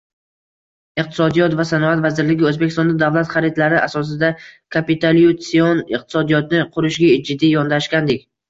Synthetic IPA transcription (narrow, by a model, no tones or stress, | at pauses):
ɪqt̪ʰɪ̥sɒd̪ijɒt̪vasanɒat̪vazɪɾlɪɡʲɪɵzbekʲʰɪst̪ɒnd̪ad̪avlˠat̪χaɾɪt̪laɾɪʔasɒs̬ɪd̪akʰapit̪ʰaljut̪sionɪq̚t̪ʰɪ̥sɒd̪ijɒt̪nɪqʰʊɾɪʃɡʲad͡ʒɪd̪ːijɒnd̪aʃkʲand̪ekʲ